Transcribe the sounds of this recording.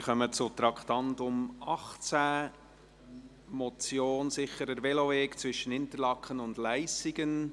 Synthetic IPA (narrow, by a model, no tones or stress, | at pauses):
χœmət͡sʊt̪ɾɑkχtɑntʊmɑχt͡sæ | mɔt͡sjoːnsɪχəɾəɾvɛlovɛːkt͡sʋʏʃənhɪntəlɑkχənʊndlæɪsiɡən